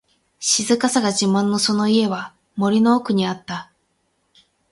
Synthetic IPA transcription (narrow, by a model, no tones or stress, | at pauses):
ɕizɨkasaɡaʑimãnːo̞so̞no̞ie̞βa | mo̞ɾʲino̞ːkɯ̟ɲ̟iat̪ːa